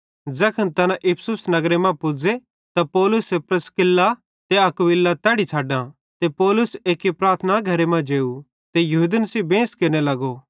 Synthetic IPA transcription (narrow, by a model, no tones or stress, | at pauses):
d͡zɛːkʰɐnt̪ɐnãʔɪpʰsʊsnɐɡɾemɛ̃pʊd͡ze | t̪apɔːlʊsepɾɐskɪlːa | t̪eɐkʋɪlːat̪ɛːɽit͡ʃʰaːɖã | t̪epɔːlʊseːkipɾaːɾt̪ʰnaɡʱɐɾemɛ̃d͡ʒeːu | t̪ejɐɦud̪ənəsibẽːskɪnelɐɡo